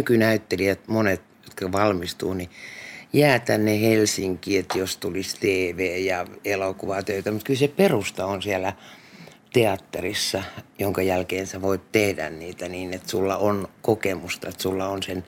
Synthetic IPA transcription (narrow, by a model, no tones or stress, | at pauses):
ykynæyt̪ːeliæt̪monet̪jot̪kɑʋɑlmist̪uːnijæːt̪ænːehelsiŋkiːet̪jost̪ulist̪eːʋeːjɑelokuʋɑt̪øyt̪æmut̪̚kylseperust̪ɑonsiælæ | t̪eɑt̪ːerisːɑjoŋkɑjælkeːnseʋoit̪t̪ehdæ̰nniːt̪æniːnet̪sulːɑʔonkokemust̪ɑet̪sulːɑonsen